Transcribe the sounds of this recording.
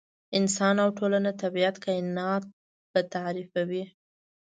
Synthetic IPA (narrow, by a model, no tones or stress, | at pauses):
ɪnsɑnawʈʰolanat̪abijat̪kaɪnɑt̪̚ | pət̪aɾifawi